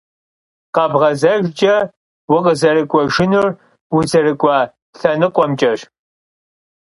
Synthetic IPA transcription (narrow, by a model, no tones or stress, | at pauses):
qɐbʁɐzɐʒt͡ʃʼɐ | wʊqəzɐɾɨkʷʼɔʒɪnʊr | wʊzɐɾɨkʷʼɑ | ɬɐnɨqʷɔmt͡ʃʼɐʃ